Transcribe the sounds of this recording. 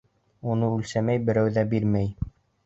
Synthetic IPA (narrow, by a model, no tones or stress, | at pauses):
unɤʉlsæmæjbɘ̆ɾæwðæbiɾmæj